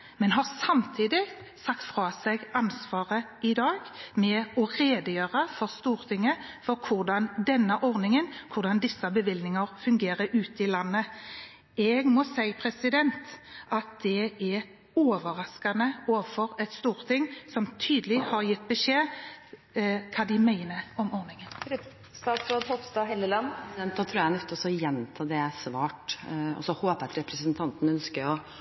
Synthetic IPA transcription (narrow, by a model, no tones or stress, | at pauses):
mɛnɦɑʁsɑmt̪ʰiːd̪ɪsɑkt̪fɾɑːsɛɡɑnsʋɑːʁəʔɪd̪ɑːɡmɛɔɾeːd̪əjøːʁɑfɔʁst̪uːɾt̪ʰɪŋːəfɔɾkʰʊʁd̪ɑnd̪ɛnːəʔɔɾnɪŋənkʰʊʁd̪ɑnd̪ɪsːɑbəʋɪld̪nɪŋəɾfʉŋɡeːɾəɾʔʉːt̪ɪlɑnːə | ɛɡmɔsæɪpʰʁɛsɪd̪ɛnt̪ʔɑt̪̚d̪̥ɛɛ | oːʋəʁɑskɑnəoːʋəfɔʁɛt̪st̪uːɾt̪ʰɪŋːsɔmt̪ʰyːd̪əlɪhɑʁjɪt̪̚ːbəʂeː | kʰɑːd̪ɪmæɪnəɔmɔʁnɪŋən | st̪ɑːt̪sɾoːd̪hopst̪ɑːɦɛləlɑnːd̪ɛnt̪d̪ɑt̪ʰɾʉːɛnɛft̪ɔsɔjɛnt̪ʰɑːd̪ɛæsʋɑːʈɔ̰sɔhoːpɑt̪ɾɛpɾəsənt̪ʰɑnt̪n̩œnskəɾɔ